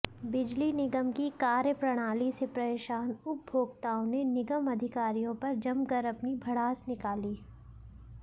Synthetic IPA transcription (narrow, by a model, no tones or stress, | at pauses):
bɪd͡ʒlinɪɡəmkikaːɾjəpɾɐɽ̃aːlisepɾɐeʃaːnʊp̚bʱoːɡt̪aːõnenɪɡəmɐd̪ʱɪkaːɾijõpɐɾd͡ʒɐmkɐɾɐpnibʱɐɽ̤aːsnɪkaːliː